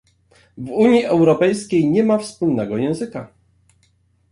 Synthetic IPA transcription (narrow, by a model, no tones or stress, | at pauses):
vuɲjiʔɛwɾɔpɛjskʲejɲɛmafspulnɛɡɔjɛ̃w̃zɘka